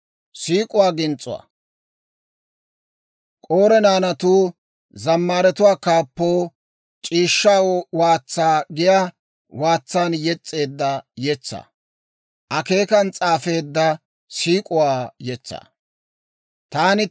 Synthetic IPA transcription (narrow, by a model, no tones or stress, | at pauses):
siːkʼʊwaːɡɪnt͡sʼːʊ̰wa̰ | kʼoːɾɛnaːnɐt̪uː | zɐmːaːɾɛt̪ʊwaːkaːpːoː | t͡ʃʼiːʃːawaːt͡sːaːɡɪjaː | waːt͡sːaːnjɛt͡sʼːe̞ːd̪ːɐjɛt͡sːa̰ː | ʔɐke̞ːkɐnt͡sʼaːfe̞ːd̪ːɐ | siːkʼʊwaːjɛt͡sːa̰ː | t̪aːnɪ